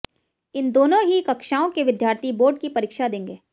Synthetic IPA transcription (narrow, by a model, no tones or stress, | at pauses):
ɪnd̪oːnõɦikɐkʃaːõkeʋɪd̪jaːɾt̪ʰiboːɾɖkipɐɾiːkʃad̪ẽːŋɡeː